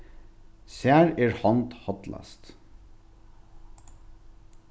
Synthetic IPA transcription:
sæːɹeːɹhɑnd̪hɑt̪lɑ̰st̪

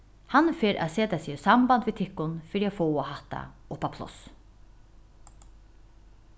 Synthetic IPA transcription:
hanfeːɾʔa̰seːt̪asiːsambant̪ʋɪt̪ʰɪkːʊnfɪɾiafoːɔhat̪a̰ʊpapʰlɔ̰s

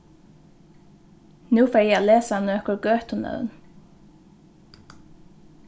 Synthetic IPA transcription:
nʉːfɛːɹjɛalɛːsanɔhkɔɾɡœːht̪ʊnœ̰ðn

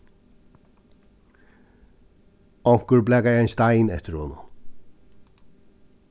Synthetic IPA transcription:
ɔŋ̥kʏɹblɛːɡajɛjnst̪aɪnɛ̰t̪ɪɾhʊːnʊ̰

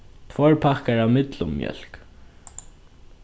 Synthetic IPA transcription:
t̪ʰvɔɹpʰakaɹavmɪt̪lʊmːjœ̰l̥k

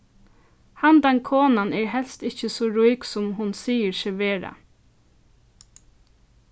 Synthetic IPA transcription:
hand̪ankʰoːnanɛɹɦɛlst̪ɪçəsɔɹujksʊmɦʊnsiːəɹʃɛʋeːɹa̰

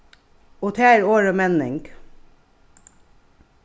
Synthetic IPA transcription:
ot̪ʰæːɾoːɹəmɛnɪ̰ŋɡ

